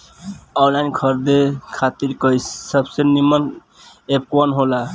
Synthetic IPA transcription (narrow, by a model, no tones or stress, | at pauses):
ɔlajnɡʰʱʌɾd̪ekʰat̪iɾkʌjssʌbseniman | eb̚kwanɦola